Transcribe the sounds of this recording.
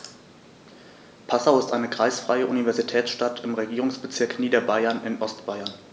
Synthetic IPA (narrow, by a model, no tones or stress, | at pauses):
pʰasaʊɪstʔaɪnəkʁ̥aɪsfʁ̥aɪəʔunivɛɐzitʰɛːsʃtatʰɪmʁeɡiːʁʊŋsb̥ət͡sɪɐkniːdɐbaɪɐnɪnʔɔstb̥aɪɐn